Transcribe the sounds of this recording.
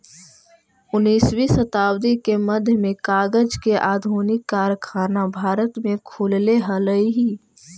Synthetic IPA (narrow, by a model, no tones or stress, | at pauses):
ʊnːiːswisət̪aːwd̪ikemɐd̪ʱjəmẽkaːɡəd͡ʒkeʔaːd̪ʱuːnɪkːaːɾkʰaːnabʱaːɾət̪mẽkʰʊːlleɦɐləiɦiː